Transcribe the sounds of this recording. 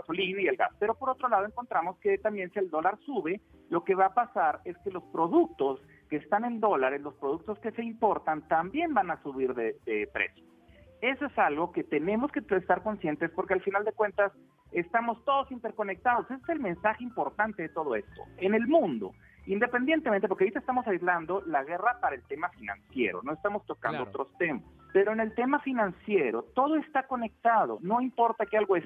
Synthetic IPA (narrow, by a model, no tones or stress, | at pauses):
ɣaso̞linaielɡa̰spe̞ɾopo̞ɾo̞t̪ɾo̞laðoeŋko̞nt̪ɾamo̞ske̞t̪ambje̞nsield̪o̞laɾsuβe̞ | lo̞ke̞βaːpasaɾe̞skelo̞spɾo̞ðuk̚t̪o̞s | keːst̪ane̞nd̪o̞laɾeslo̞spɾo̞ð̞uk̚t̪oske̞se̞impo̞ɾt̪ant̪ambje̞mbanasuβ̞iɾðeðepɾḛsjo̥ | e̞soesalɣo̞ke̞t̪e̞nẽ̞mo̞skeest̪aɾko̞nsje̞nt̪e̞spoɾkealfinald̪e̞kwe̞nt̪as | e̞st̪amo̞st̪o̞ðo̞sint̪e̞ɾko̞ne̞k̚t̪að̞o̞se̞sese̞lme̞nsaxeimpo̞ɾt̪ant̪e̞ðet̪o̞ð̞o̞e̞st̪o̞̰e̞ne̞lmũnd̪o̞̰ | ind̪epend̪jent̪ement̪epokeoɾit̪est̪amosajzland̪o̞laɣ̞e̞rapaɾaelt̪e̞mafinã̰nsje̞̰ɾo̞̰no̞est̪amo̞st̪o̞ka̰nd̪oot̪ɾo̞st̪e̞mas | pe̞ɾo̞enelt̪e̞mafinãnsje̞ɾo̞t̪o̞ð̞oest̪ako̞ne̞k̚t̪að̞o̞̰no̞impo̞ɾt̪akealɣoes